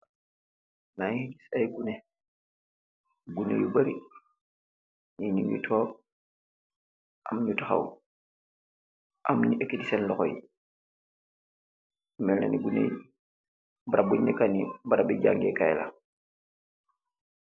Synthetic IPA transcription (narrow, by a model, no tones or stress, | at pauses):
naŋhiɟisajɡune | ɡunḛjubaɾi | niɲiŋjṵtʰɔː | ʔamɲutaxa̰w | ʔamɲiʔekːitisenlɔxɔji | mɛlna̰niɡunḛj | baɾabuɲːɛkanibaɾabiɟa̰ŋɡekajla̰